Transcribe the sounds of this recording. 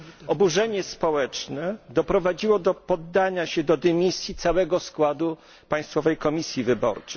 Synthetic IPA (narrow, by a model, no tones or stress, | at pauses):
ɔbuʐɛɲɛspɔwɛt͡ʂnɛd̪ɔpɾɔvad͡ʑiwɔd̪ɔpɔd̪ːaɲaɕɛd̪ɔd̪ɛmʲisʲjit̪sawɛɡɔskwad̪u | paj̃st̪fɔvɛjkɔmʲisʲjivɘbɔ̰ɾt͡ʂɛ̥